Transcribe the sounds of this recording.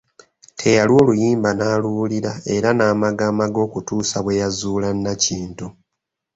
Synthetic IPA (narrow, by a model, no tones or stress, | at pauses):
tʰe̞jalio̞ːlujiːmbanaːluliɾae̞ɾanaːmaɡaːmaɡo̞ːkutuːsaβwe̞jazuːlanːaciːntu